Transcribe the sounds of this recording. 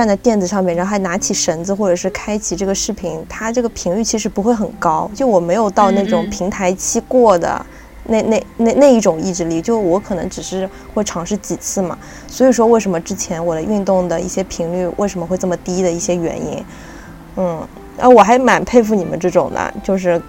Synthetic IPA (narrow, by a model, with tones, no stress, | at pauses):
t͡snt͡sa˥˧ɪp̪jɛ˥˩nd͡zɹ̩˨˩ʂɑ˥˧mjɻxa˧˥ɪna˧˥t͡ɕʰi˨˩ʂə˧˥nd͡zɹ̩˧xwɔ˥˩ʈ͡ʂɤ˨˩ʂɻ̩˥˩˧kʰa˥ɪt͡ɕʰi˨˩ʈ͡ʂɤ˥˩ɡə˩ʂɻ̩˥˩pʰi˧˥nt̪ʰa˥ʈ͡ʂɤ˥˩ɡə˩pʰi˧˥ŋly˥˩t͡ɕʰi˧˥ʂ̬ɻ̩˧˥pu˧˥xwe˥˩xə˨˩nkɑ˥ʊt͡ɕjo˥˧˩wɔ˨˩me˧˥ɪjo˨˩ʊt̪ɑ˥˧ʊne˥˩ɪʈ͡ʂʊ˨˩ŋpʰi˧˥ŋt̪ʰa˧˥ɪt͡ɕʰi˥kwɔ˥˩d̪ə̰˩ | ne˥˧ɪne˥˧ɪne˥˧ɪne˥˧ɪi˥˩ʈ͡ʂʊ˨˩ŋi˥˧ʈ͡ʂɻ̩˥˧li˥˩t͡ɕjo˥˧ʊʂwɔ˧˥kʰɤ˨˩nɤ̰˧˥ŋʈ͡ʂɻ̩˨˩ʂɻ̩˥˧ | xwe˥˩ɪʈ͡ʂʰɑ˧˥ŋʂɻ̩˥˩t͡ɕi˨˩t͡sʰɹ̩˥˩mɐ̰˩ | swɔ˧˥i˨˩ʂwɔ˥we˥˩ɪʂə˧˥nmə˧ʈ͡ʂɻ̩˥t͡ɕʰjɛ˧˥nwɔ˨˩lə˦ʔy˥˧nt̪ʊ˥˩ŋd̪ə˩ḭ˥˩ɕjɛ˥pʰi˧˥ŋly˥˩wḛ˥˩ɪ̯ʂə˧˥mə˧xwe˥˧ɪʈ͡ʂɤ˥˩mə˩t̪i˥d̪ə˨i˥˩ɕjɛ˥ɥɛ̰˧˥nḭ˥n | n̩˥˩ | ə̰˧˥wɔ˨˩xa˧˥ɪma˨˩npʰe˥˧ɪf̬u˥˩ni˨˩mə̰˦nʈ͡ʂɤ˥˩ʈ͡ʂʊ˨˩ŋd̪ə̰˩t͡ɕjo˥˧ʊʂ̬ɻ̩˥˩